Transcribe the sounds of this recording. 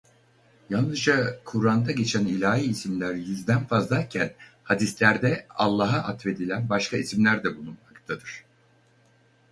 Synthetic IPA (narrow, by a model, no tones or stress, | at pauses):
jalˠnɯzd͡ʒakʰuɾand̪aɟe̞t͡ʃʰænilʲaːiːsimlʲæɾjyzd̪ænfazd̪ˠaɾcʰænhad̪islʲæɾd̪ɛalˠːaɦaʔat̪ve̞d̪ilʲænbaʃkʰaisimlʲæɾd̪ɛbulˠunmakt̪ʰad̪ɯɾ̝̥